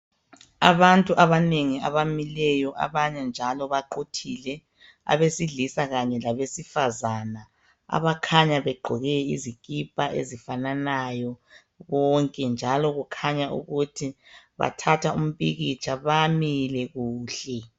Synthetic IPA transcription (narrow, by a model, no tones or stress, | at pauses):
a̰βantʼuʔaβaneŋia̰βamilɛjɔʔa̰βaɲɛnd͡ʒʱalɔβaǃotʰilɛ | a̰βesiɮisaɣaɲɛlaβesifazana | a̰βakʰaɲaβɛɡ͡ǃʱɔɣɛḭzikʼipʼaʔḛzifananajɔ | βɔŋkʼɛnd͡ʒʱalɔɣukʰaɲaʔṵɣutʰiβa̰tʰatʰaum̩piɣit͡ʃʰʼaβamilɛɣuːɬɛ